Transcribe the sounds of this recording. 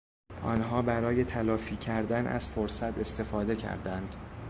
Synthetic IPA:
ʔɒ̰ːnɦɒːbæɾɒːje̞t̪ʰælɒːfiːcʰæɾd̪ænʔæ̰z̥foɾsæt̪ʰe̞st̪e̞fɒːd̪e̞cʰæ̰ɾd̪ænd̪̥

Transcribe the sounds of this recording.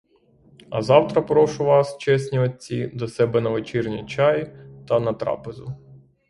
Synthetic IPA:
ɐ̰zɑwt̪ɾɐpɾɔʃʊʋɑst͡ʃɛsʲnʲiɐid̪ɔsɛbɛnɐʋet͡ʃirnʲit͡ʃɑjit̪ɐnɐt̪ɾɑ̰pezʊ

